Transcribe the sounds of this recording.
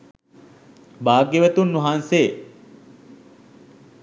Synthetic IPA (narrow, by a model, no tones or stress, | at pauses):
baːɡːeʋət̪unːuɦaːnseː